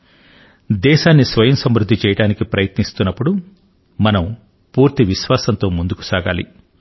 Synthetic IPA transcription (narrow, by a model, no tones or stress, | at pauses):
d̪ɛːʃaːnːisʋɐjɐmsɐmɾud̪ʱːit͡ʃɛːjɐɽaːnikipɾɐjɐt̪nist̪unːɐpːuɽu | mɐnɐm | puːɾt̪iʋiʃʋaːsɐnt̪o̞ːmund̪uku̥saːɡa̰ːlḭ